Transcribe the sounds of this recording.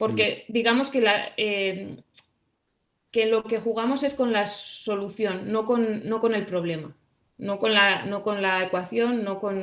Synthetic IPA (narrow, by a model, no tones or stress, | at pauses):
po̞ɾke̞d̪iɣamo̞ske̞lae | ke̞lo̞ke̞xuɣ̞amo̞se̞sko̞nlasso̞luθjo̞nːo̞ko̞nːo̞ko̞ne̞lpɾo̞β̞le̞ma | no̞ko̞nlano̞ko̞nlae̞kwaθjo̞nːo̞ko̞n